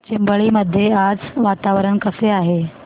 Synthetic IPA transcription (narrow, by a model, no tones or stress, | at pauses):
t͡ɕimbəɭiːməd̪ʱːjead͡zʋat̪aʋɾəɳkəseaɦe